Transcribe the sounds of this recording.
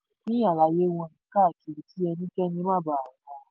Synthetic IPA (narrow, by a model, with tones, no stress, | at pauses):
nĩ˦a˨la˨je˦wɔ̃˧˦˨nĩ˨˦ka˦˨ki˨ɾi˨ti˦ɛ˧nĩ˦kɛ˦nĩ˧mã˦˨ba˨kɔ̃˨˧˦